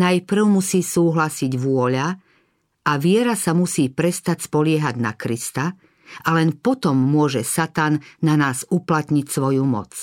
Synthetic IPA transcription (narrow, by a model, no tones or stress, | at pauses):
najpɾ̩ʊmusiːsuːɦlasiɟʋʊɔʎa | ʔaʋɪɛɾasamusiːpɾɛst̪acspɔlɪɛɦaɟna̰kɾist̪a | ʔalɛnpɔt̪ɔmːʊɔʒɛsat̪anːanaːzuplat̪ɲicsʋɔjumɔ̰t͡s